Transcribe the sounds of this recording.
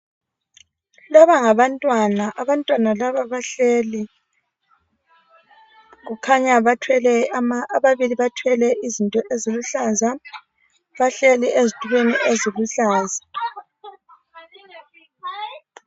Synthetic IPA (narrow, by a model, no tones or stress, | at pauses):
laβaŋaβantʼwanaʔaβantʼwanalaβaβaɬeli | ɣukʰaɲaβatʰwɛlɛamaːβaβiliβatʰwɛlɛʔizintʼɔʔeziluɬaza | βaɬɛliʔezitʰʼuβeniʔeziβuɬaːza